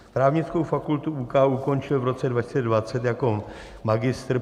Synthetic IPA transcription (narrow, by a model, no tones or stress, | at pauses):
p̪ɾaːvɲɪt͡sko̞wfakult̪uʔukaːʔuko̞nt͡ʃɪlvɾo̞t͡sɛdvacɪst͡sɛdvat͡sɛt̪jako | maɡɪst̪ɾ